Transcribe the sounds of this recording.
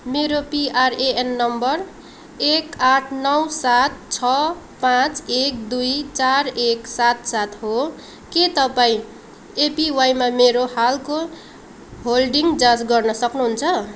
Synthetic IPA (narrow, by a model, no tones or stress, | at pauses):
meɾopiareenːʌmbʌr | ekaʈʰnʌwsat̪̚t͡sʰʌ | pãt͡sek̚d̪ujt͡sareksat̪̚sat̪ɦo | ket̪ʌpaĩ | epiwajmameɾohalko | ɦolɖiŋd͡zãt͡sɡʌrnʌsʌknuɦunt͡sʰʌ